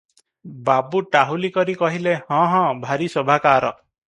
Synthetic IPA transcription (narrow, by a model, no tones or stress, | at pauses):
babuʈaɦulikɔɾikɔɦilehɔ̃ɦɔ̃bʱaɾisɔbʱakaɾɔ